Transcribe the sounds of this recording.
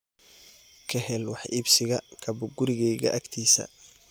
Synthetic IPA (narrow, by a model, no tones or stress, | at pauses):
kʰɐhɛlwɑħʔiːbsɪɣɐkʰɐbʊɡʊɾɪɣɛjɣɐ̰ʔɐɡt̪ʰiːsɐ̰